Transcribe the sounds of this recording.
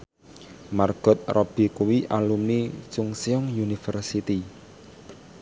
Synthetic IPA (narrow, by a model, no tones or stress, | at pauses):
marɡ̥ɔ̤t̪̚rɔb̥i̤kuwiʔalumnit͡ʃʊŋsiɔŋjunifərsit̪i